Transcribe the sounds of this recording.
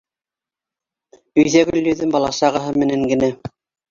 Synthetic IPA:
ɵ̆jðæɡɵ̆lʲːɵ̆ðɘnbɑlˠɑʃɑʁɤ̆ɦɤmɘ̆næŋɡɘ̆næ

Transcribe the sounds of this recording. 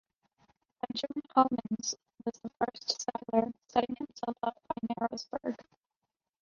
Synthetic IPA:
əd͡ʒəm̃nhʰɑmɨ̃nz̥ | wʌzðəfɜ˞stsɛɾl̩ˠə˞sɛɾɪ̃ŋhɨ̃msɛlˠfʌp̚b̥aɪnɛɹoʊzb̥ə˞ɡ̥

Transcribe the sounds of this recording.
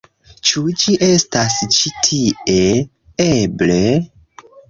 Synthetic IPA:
t͡ʃud͡ʒiʔe̞stast͡ʃitʰiʔe | eble̞

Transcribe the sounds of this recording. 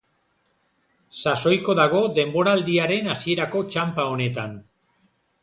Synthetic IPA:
saso̞jko̞ðaɣ̞o̞ðe̞mbo̞ɾaːld̪iaɾe̞nasie̞ɾako̞t͡ʃampao̞ne̞t̪an

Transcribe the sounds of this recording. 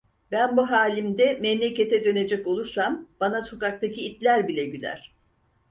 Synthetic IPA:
bænbuɦaːlʲimd̪ɛmɛmlʲece̞t̪ʰɛd̪ø̞ne̞d͡ʒɛco̞lˠuɾsamb̥anaso̞kak̚t̪ʰacʰiːt̪lʲæɾbilʲɛɟylʲæ̰ɾ̝̥

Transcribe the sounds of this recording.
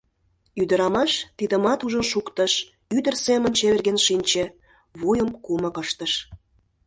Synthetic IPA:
yd̪ə̆ɾɑmɑʃt̪id̪ə̆mɑt̪uʒənʃukt̪əʃ | yd̪ə̆rsemənt͡ɕeβerɣenʃinʲt͡ɕĕ | βojəmkuməkəʃt̪əʃ

